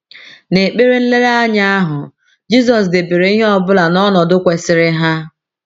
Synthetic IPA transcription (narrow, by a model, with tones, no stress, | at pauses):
ne˨k͡pe˦ɾe˦n̩˦le˦ɾa˦a˦ɲa˦a˦ɦʊ˨ | d͡ʒi˦s̬ɔ˨s̬dɪ˨bi˨ɾe˨˦i˦ɦe˦ɔ˦bʊ˦la˨nɔ˦nɔ˨dʊ˦kʷe˨sɪ˨ɾɪ˦ɦa˦